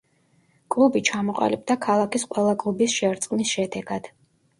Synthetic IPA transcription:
kʼlˠubit͡ʃʰamɔqʼa̰lib̚d̪akʰalˠakisqʼwɛlˠakʼlˠubisʃɛɾt̪sʼqʼnisʃɛd̪ɛɡad̪̥

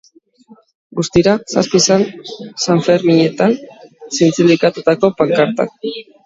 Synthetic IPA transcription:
ɡust̪iɾasaspisansaɱfeɾmiɲe̞t̪ansint͡sind̪ikat̪ut̪ako̞paŋkaɾt̪a̰k

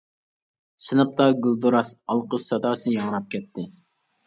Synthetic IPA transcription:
ʃɨnɨp̚t̪ɑɡʲylˠd̪uɾɑsɑlˠqəʃsɑd̪ɑːsɨjɑŋɾɑp̚kʲɛt̪ʰːɪ

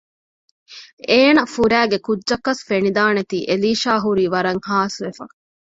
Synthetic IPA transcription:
eːnɐfuɾæːɡekudːʒɐkːɐsfenid̪aːnet̪iːʔeliːʃaːɦuɾiːʋɐɾɐŋhaːsʋefɐ̰

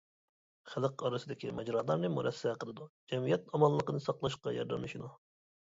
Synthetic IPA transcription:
χælˠɨqɑɾɨsɨd̪ɪkʲimɛd͡ʒɾɑːlˠɑɾnɨmuɾʔɛsːɛqʰəlˠɨd̪ud͡ʒɛmijɛt̪ɑmɑlˠːəqənɨsɑqlˠɑʃqɑjɑɾd̪ɛmlɨʃinu

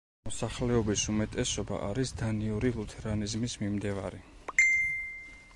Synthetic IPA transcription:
mɔsaχlɛɔbisumɛt̪ʼɛsɔba̰ʔaɾisd̪aniuɾilˠut̪ʰɛɾanizmismimd̪ɛva̰ɾi

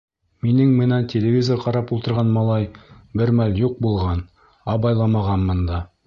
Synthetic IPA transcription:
minɘŋmɘ̆næntʲelʲɪvʲizŏɾqɑɾɑpulˠt̪ɤ̆ɾʁɑnmɑlˠɑjbɘɾmæljuq̚bulˠʁɑn | ɑbɑjlˠɑmɑʁɑnmɤ̆nd̪ɑ

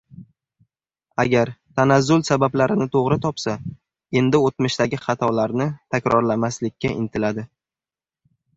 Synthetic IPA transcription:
aɡʲaɾt̪ʰanazːʊlsabablaɾɪnɪt̪ʰoʁɾɪt̪ʰɒpsa | e̞nd̪ɪot̪̚mɪʃt̪aɡʲɪχɑt̪ʰɒlaɾnɪt̪ʰakʲɾɒɾlamaslɪkʲːaʔɪnt̪ʰɪlad̪ɪ

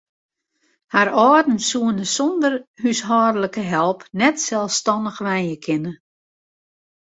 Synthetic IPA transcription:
haɾɔːdn̩suənəsɔndərhysɦɔːdləkəɦɛlˠpnɛtsɛlˠfstɑndəxʋɛjjəkʰɪnə

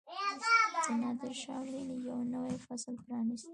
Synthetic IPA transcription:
ənɑd̪ɪɾʃɑlinijawnəwajfaslpɾɑnist̪

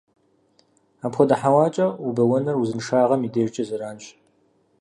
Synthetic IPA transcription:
aːmpʰxʷɔdɐħawaːt͡ʃʼɐubɐwɐnɐruzɨnʂaːʁɐmiːdeːʒt͡ʃʼɐzɐɾaːnɕ

